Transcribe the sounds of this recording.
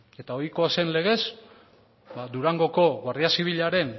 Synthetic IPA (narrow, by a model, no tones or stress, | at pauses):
e̞t̪ao̞jko̞ase̞nle̞ɣ̞e̞s | bad̪uɾaŋɡo̞ko̞βariasiβ̞iʎaɾe̞n